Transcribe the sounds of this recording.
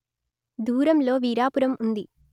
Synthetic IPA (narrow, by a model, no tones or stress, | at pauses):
d̪ʱuːɾɐmlo̞ːʋiːɾaːpuɾɐmund̪i